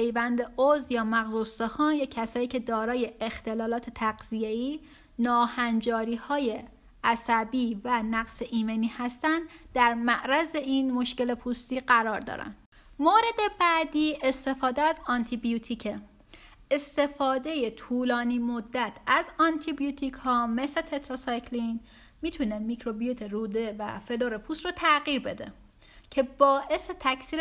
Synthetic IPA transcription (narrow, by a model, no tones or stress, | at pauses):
pʰejvænd̪eozjɒːmæɣzost̪exɒːnjecʰæsɒːiːcʰe̞d̪ɒːɾɒːje̞ext̪e̞lɒːlɒːt̪ʰe̞t̪ʰæɡzijeiː | nɒːhænd͡ʒɒːɾiːhɒːje | ʔæsæbiːvænæɡseʔiːmeniːhæst̪ænd̪d̪æɾmæʔɾæze̞iːnmo̞ʃce̞le̞pʰust̪iːɢæɾɒːɾd̪ɒ̰ːɾæ̰nd̥ | moːɾe̞d̪e̞bæːd̪iːʔest̪e̞fɒːd̪eæzɒnt̪ʰibijut̪ʰicʰe | est̪e̞fɒːd̪e̞je̞t̪ʰuːlɒːniːmod̪ːæt̪ʰæzɒnt̪ʰibijut̪ʰikʰhɒːme̞set̪ʰe̞t̪ʰɾosɑjcʰlin | miːt̪ʰunemicʰɾo̞bijut̪ʰeɾuːd̪evæ̰feloɾepʰuːst̪rot̪ʰæɣiːɾbe̞d̪e̞̰ | cʰe̞bɒːʔe̞se̞t̪ʰæcʰsiːɾ